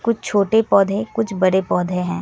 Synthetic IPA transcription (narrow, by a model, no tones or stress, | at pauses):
kʊt͡ʃʰt͡ʃʰoːʈepɔːd̪ʱẽkʊt͡ʃʰbɐɾepɔːd̪ʱeɦɛ̰̃ː